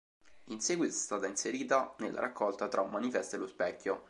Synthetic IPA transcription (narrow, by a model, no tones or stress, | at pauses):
insɛːɡwit̪oɛ̥st̪aːt̪ainseɾiːt̪anelːʔa̰ɾʔakːɔlt̪at̪ɾʔaumːanifɛst̪elːospɛkʲːo